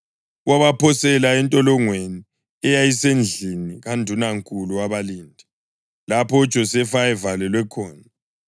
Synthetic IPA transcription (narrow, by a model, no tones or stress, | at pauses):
waβapʰɔsɛlaɛntʼɔlɔŋweni | ɛjajisend͡ɮʱiniɣandʱunaŋkʼuluaβaliːndʱi | lapʰɔ̥ʒ̥ʱɔsɛfaɛvalɛlwɛkʰɔːna